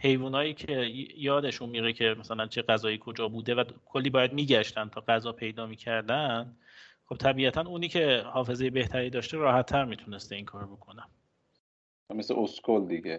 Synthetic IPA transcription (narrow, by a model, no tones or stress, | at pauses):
he̞jvuːnɒːjiːcʰe̞jɒːd̪e̞ʃunmiɾecʰe̞mæsælænt͡ʃʰe̞ɢæzɒːjiːkʰo̞d͡ʒɒːbuːd̪e̞vækʰolːiːbɒːjæd̪̚miːɟæʃt̪ænt̪ʰɒːɢæzɒːpʰe̞jd̪ɒːmiːcʰæɾd̪æn | χo̞b̥̚t̪ʰæbiːæt̪ʰænuːniːcʰe̞hɒːfe̞zeje̞be̞ht̪ʰæɾiːd̪ɒːʃt̪e̞ɾɒːhæt̪ʰːæɾmiːt̪ʰune̞st̪e̞iːŋkʰɒːɾobo̞kʰo̞næ | meseʔoskʰold̪iɡe